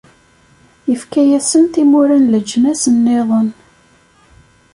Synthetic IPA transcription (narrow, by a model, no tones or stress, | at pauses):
jəfkæjæsənθimʊɾænləd͡ʒːmæsənːeðˤən